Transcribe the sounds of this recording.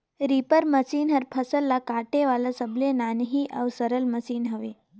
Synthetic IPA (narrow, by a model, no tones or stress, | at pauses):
ɾipəɾməsiːnɦəɾpʰəsəlːakaʈeʋalasəblenanɦiʔə̰ʋsəɾəlməsiːnɦəʋe